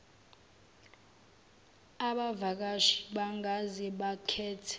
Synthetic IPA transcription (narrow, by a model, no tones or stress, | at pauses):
aɓavak̬aʃi̥ɓaŋʱazɛɓakʰɛːtʰɛ̥